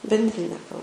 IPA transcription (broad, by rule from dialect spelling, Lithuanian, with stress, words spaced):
bʲɛnʲdʲˈrʲɪnʲeː kɐlˠ